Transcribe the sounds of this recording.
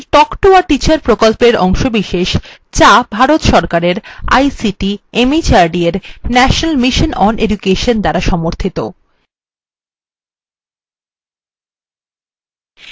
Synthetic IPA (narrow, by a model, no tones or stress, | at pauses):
ʈɔkʈoaʈit͡ɕaɾpɾokolpeɾɔŋʃobiʃeʃt͡ɕabʱaɾot̪ʃɔɾkaɾeɾa̰jsiʈiemit͡ɕaɾɖieɾnɛʃonalmiʃonʔɔned͡ʑukeʃond̪aɾaʃɔmoɾt̪ʰit̪o